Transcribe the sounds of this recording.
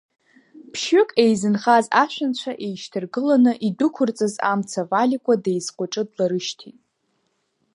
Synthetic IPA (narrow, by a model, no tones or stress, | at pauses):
pʰʃʏkʼe̞jzɨnχazaʃᶣant͡ɕʷʰaʔe̞jʃtʰɨrɡɨlanɨʔidʊkʷʰʊrt͡sʼɨza̰mt͡sʰavalikʷʼadejzqʷʼʊʈ͡ʂʼɨdlaɾɨʃtʰitʼ